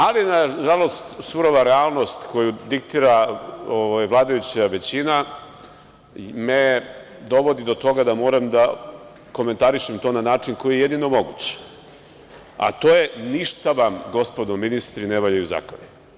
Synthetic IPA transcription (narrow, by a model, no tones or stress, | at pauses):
alinaʒalo̞st̪suɾo̞ʋaɾeaːlˠno̞st̪ko̞jud̪ik̚t̪iːɾaoʋajʋlˠaːd̪ajut͡ɕaʋe̞t͡ɕina | me | d̪o̞ʋo̞d̪id̪o̞t̪o̞ɡad̪amo̞ːɾamd̪a | ko̞me̞nt̪aɾiʃemt̪o̞ːnanaːt͡ʂinko̞jijejed̪ino̞mo̞ɡut͡ɕe̥ | a̰t̪o̞ːje̞niʃt̪aʋamɡo̞spo̞d̪omːinist̪ɾineʋaʎajuza̰koni